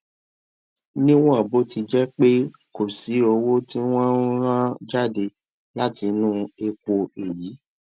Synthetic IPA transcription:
nĩ˦w̃ɔ̃˦˨bo˦ti˧d͡ʒɛ˦k͡pe˦ | ko˨si˨˦ɾo˧wo˦tĩ˦w̃ɔ̃˦ɾ̃ã˦d͡ʒa˦˨de˧ | la˦ti˧˦nũ˦e˧ko˧e˨ji˨˦

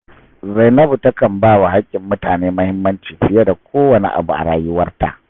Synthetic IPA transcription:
za˨jnɐ˦bu˨tɐ˦kɐ˨mbaː˦wa˨ɦa˦kʲʼːɪ˨mːʊ˦taː˨neː˦mɐ˦hɪ˦mːɐ˦nt͡ʃiː˨mɸɪ˦ja˦da˨kʷoː˦wɐ˨nḭ˦ʔa̰˨bu˨ʔa̰˨ɽaː˨jʊ˦wɐ˦rta̰˨ʔ

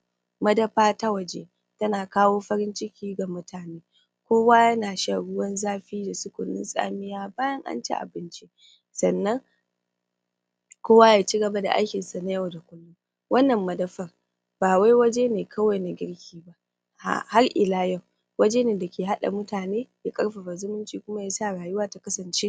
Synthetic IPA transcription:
mɐ˦dɐ˦ɸaː˦ta˦wɐ˨d͡ʒḛ˦ | tɐ˦naː˨kaː˦woː˦ɸɐ˦ɾɪ˦nt͡ʃɪ˦kʲiː˦ɡa˨mʊ˦tʰaː˨neː˦ | kʷoː˦waː˦jɐ˦naː˨ʃa˦˨ɽʊ˦wɐ˦nzaː˦ɸiː˦da˨sʊ˦kʷʊ̰˨nːɪ̰˦nsʼa̰ː˦mɪ˦jaː˦baː˦jɐ˦ŋʔa̰˦nt͡ʃḛ˦ʔa̰˨bɪ˦nt͡ʃi˦ | sɐ˨nːɐ˦ŋ | kʷoː˦wa˦jaː˨t͡ʃi˦ɡɐ˨ba˦da̰˨ʔa̰˦jkʲɪ˨nsa˨na˦jɐ˦˨wda˨kʷʊ˦lːʊ˦ | wɐ˦nːɐ˨mːɐ˨dɐ˦ɸɐ˨r | baː˨wa˦jwɐ˦d͡ʒe˦neː˨kʰɐ˦wa˨jna˨ɡʲɪ˦ɽkʲʰiː˦ba˦ | ha̰˨ha˦rʔɪ̰˨laː˦jɐ˦˨w | wɐ˦d͡ʒe˦neː˨da˨kʲeː˨ɦa˦ɗa̰˨mʊ˦taː˨neː˦ja˦kʼɐ˦ɽɸa˨ɸɐ˨zʊ˦mʊ˦nt͡ʃiː˨kʷʊ˦ma˦jaː˦saː˦˨ɽaː˨jʊ˦waː˦ta˨kɐ˦sɐ˨nt͡ʃeː˦

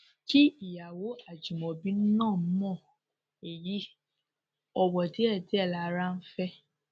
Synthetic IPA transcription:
ki˦i˦˨ja˨wo˨˦a˨d͡ʒu˨mɔ̃˨bĩ˨˦n̩˦nã˦˨m̩˦mɔ̃˦˨ | e˨ji˨˦ | ɔ˧wɔ˨ti˨˦ɛ˦˨tɛ˨˦ɛ˦˨la˨˧˦ɾa˦n̩˦fɛ˦

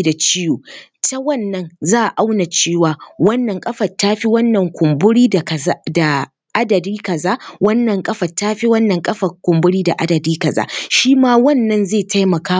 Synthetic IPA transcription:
da˨t͡ʃɪ˦joː˨ | ta˦wɐ˦˨nːɐ˦nzaː˦˨ʔa˨ʔa˦wna˨t͡ʃeː˦˨waː˨wɐ˦nːɐ˨ŋkʼɐ˦ɸɐ˨tːaː˦ɸi˦wɐ˦nːɐ˨ŋkʷʊ˨mbʊ˦ɽiː˦˨kɐ˨˦da˨ | ʔa˦dɐ˨diː˦kɐ˨zaː˦wɐ˦nːɐ˨ŋkʼɐ˦ɸɐ˨tːaː˦ɸi˦wɐ˦nːɐ˨ŋkʼɐ˦ɸɐ˨kʷʊ˨mbʊ˦ɽiː˦da˨ʔa˦dɐ˨diː˦kɐ˨za̰ː˦ʃiː˦maː˦wɐ˦nːɐ˦nzeː˦˨tʰa˦jmɐ˨kaː˦

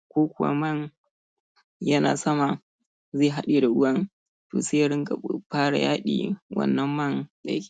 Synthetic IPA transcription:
kʷoː˦kʷʊ˨wa̰˦mɐ˦˨n | jɐ˦na̰ː˨sɐ˦ma˨ | zeː˦˨ɦa˦ɗeː˨da˨ʔʊ˦wɐ˦n | to̰ː˨seː˦jɽɪ˦ŋka˨ɸaː˦ɽa̰˨jaː˦ɗḭː˨wɐ̰˨nːɐ˦mːɐ˦˨nza̰˨jkʲe̥˨

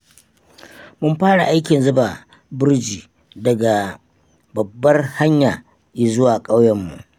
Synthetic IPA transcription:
mʊ˦mɸaː˦ɽa̰˨ʔa˦jkʲɪ˨nzʊ˦ba˨ | bʊ˦rd͡ʒiː˨ | dɐ˨ɡa˨ | bɐ˨bːɐ˦rha˦ɲjaː˨ | ji˨zʊ˦waː˨kʼa˦wjɐ˦mːṵ˨ʔ

